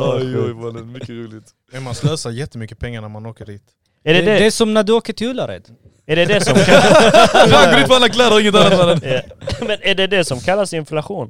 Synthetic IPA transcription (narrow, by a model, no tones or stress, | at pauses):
ɔjɔjvad̪ɛmʏkːəɾuːlɪt̪ | ɛɾmansløːsajɛt̪ːəmʏkːəpʰɛŋːaɳæɾmanoːkəɖiːt̪ | ɛɖɛd̪ɛd̪ɛsɔmnæɖɵoːkəʈʰɪɵlːaɾɛ̰d̪̥ | ɛɖɛd̪ɛsɔmkʰa | d̪aɔɾɪnt̪əfɔalːakʰlɑːɾaɾɪŋːət̪anːat̪fɛːlənamɛnæɖɛd̪ɛsɔmkʰalːasɪnflaɧuːn